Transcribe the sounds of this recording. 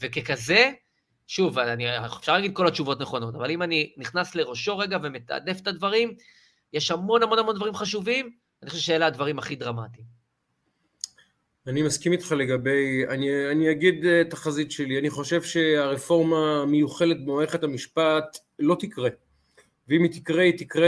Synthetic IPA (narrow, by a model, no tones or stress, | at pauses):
ve̞ke̞kaze̞ | ʃuvaanie̥fʃaʁlaɡid̚ko̞lat͡ʃuvo̞tneχo̞no̞tavalimaniniχnasle̞ʁo̞ʃo̞ʁe̞ɡave̞me̞t̪a̰de̞fetadvaʁim | jeʃhamo̞nhamo̞namo̞ndvaʁimχaʃuvim | anixoʃeʃejelad̪vaʁimaχidʁamati | animaskimit̪χale̞ɡabe̞janianiaɡid̪taχazit̪ʃe̞lianiχo̞ʃe̞vʃe̞aʁefo̞ʁmamejuχe̞let̪̚bemaeχethamiʃpat̪ | lo̞t̪ikʁe | veimit̪ikʁeit̪ikʁe